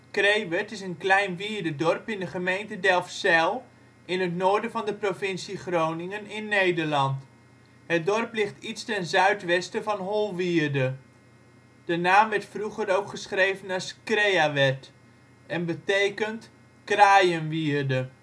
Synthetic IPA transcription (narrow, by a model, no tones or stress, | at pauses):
krejʋɛtɪsənklɛjnʋiːɹdədɔrpɪndəχəmejntədɛlˠfsɛlˠ | ɪnɦətnoːɹdəvɑndəprovɪnsiχrownɪŋənɪnːejdəɹlɑnt | ɦət̚dɔrplɪχtitstɛnzœɥtʋɛstəvɑnɦolˠʋiːrdə | d̥ənaːmʋɛɹtfruχəɾowkχəsχrejvənaskrejaʋɛt | ɛnbətejkənt | kraːjənʋiːrdə